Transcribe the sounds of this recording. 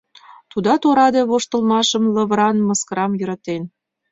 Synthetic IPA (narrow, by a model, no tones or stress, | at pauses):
t̪ud̪ɑt̪oɾɑd̪eβoʃt̪ə̆lmɑʃə̆mlɤ̆βə̆ɾɑnmɤskəɾɑmjə̆ɾɑt̪en